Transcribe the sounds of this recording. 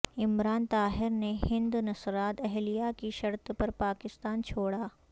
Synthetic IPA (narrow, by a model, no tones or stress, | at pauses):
ɪmɾaːnt̪aːɦɪɾnehɪ̃nd̪nɐsɾaːt̪ɛɦlijakiʃɐɾt̪pɐɾpaːkɪst̪aːnt͡ʃʰoːɽaː